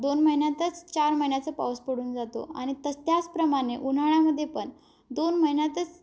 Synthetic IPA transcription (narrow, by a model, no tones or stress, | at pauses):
d̪onməinjat̪ət͡st͡ɕaɾməjnjat͡səpa̰wspəɽuːnd͡zat̪o̰a̰ɽ̃it̪əst̪jat͡spɾəmaɽ̃eʔun̤aɽ̃aməd̪ʱːjepəɳ | d̪onməɦinjat̪ət͡s